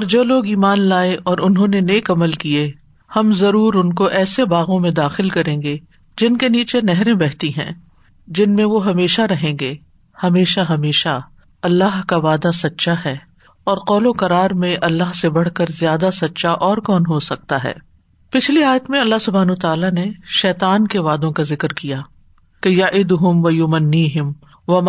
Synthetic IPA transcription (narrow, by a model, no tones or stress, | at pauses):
ɔːɾd͡ʒoːloːɡiːmaːnlaːeʔɔːɾʊnɦõneneːkɐməlkie | hɐmzɐɾuːɾʊnkoʔɛːsebaːɣõmẽd̪aːxɪlkɐɾẽːŋɡe | d͡ʒɪnkeniːt͡ʃenɛɦɾẽbɛɦt̪iɦɛ̰̃ː | d͡ʒɪnmẽʋoɦɐmeːʃaɾɐɦẽːŋɡeː | hɐmeːʃaɦɐmeːʃa | ɐlːaɦkaʋaːd̪asɐtːʃʰaɦɛː | ɔːɾqɔːlokɐɾaːɾmẽʔɐlːaɦsebɐɽ̤kɐɾzjaːd̪asɐtːʃaʔɔːɾkɔːnɦosɐk̚t̪aɦɛ̰ː | pɪt͡ʃʰliaːjət̪mẽɐlːaɦsʊbʱaːnot̪aːlaneʃɛːt̪aːnkeʋaːd̪õkazɪkɾkija | kejaʔɪd̪ʊɦʊmʋɐjʊmɐnːiːɦɪm | ʋɐm